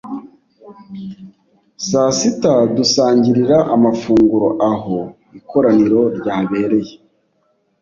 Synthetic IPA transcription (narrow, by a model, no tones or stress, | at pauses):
saːsitadusaːɲɟiɾiɾaʔamafuːŋɡuɾo̞ʔaɦo̞ | ikʰo̞ɾaniɾo̞ɾɟaːβe̞ːɾe̞je